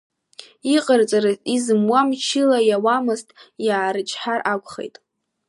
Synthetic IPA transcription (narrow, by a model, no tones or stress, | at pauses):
iqʼərt͡sʼaɾɨzizɨmwamt͡ʃʰɪlajawamɨztʼjaːɾɨt͡ʃʼʰħarʔakʷʼχḛjtʼ